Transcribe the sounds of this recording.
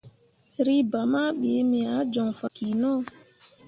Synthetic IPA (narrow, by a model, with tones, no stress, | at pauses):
ɾi˦ba˨ma˦ɓe˨˦mi˨a˨˦d͡ʒɔ˨ŋfa˨ki˨nɔ˦